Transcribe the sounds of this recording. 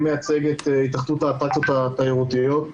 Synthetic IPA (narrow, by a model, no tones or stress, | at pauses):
mejat͡seɡet̪it̪aχt̪ut̪aːt̪akt͡sjo̞t̪at̪aiʁut̪ijo̞t̪